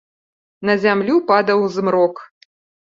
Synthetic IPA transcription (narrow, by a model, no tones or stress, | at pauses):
nɐzʲamlʲupad̪ɐwzmɾɔk